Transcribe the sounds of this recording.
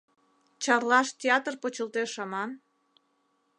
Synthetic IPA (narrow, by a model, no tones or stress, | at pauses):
t͡ɕɑrlɑʃt̪ʲeɑt̪ərpot͡ɕəlt̪eʃɑmɑn